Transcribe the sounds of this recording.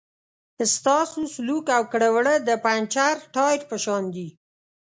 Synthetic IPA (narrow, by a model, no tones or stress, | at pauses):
əst̪ɑsuslukawkəɽəwɽəd̪əpant͡ʃaɾʈɑjɾpəʃɑnd̪i